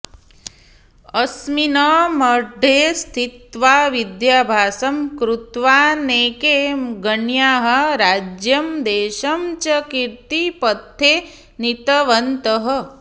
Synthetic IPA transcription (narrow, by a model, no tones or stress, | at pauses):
ɐsminɐmɐɖʱeːst̪ʰit̪ʋaːʋid̪jaːbʱaːsɐmkɾut̪ʋaːneːkeːɡəɳjaːɦɐɾaːd͡ʒjɐmd̪eːʃɐmt͡ʃɐkiɾt̪ipət̪ʰːeː | nit̪ɐʋɐnt̪əɦɐ̆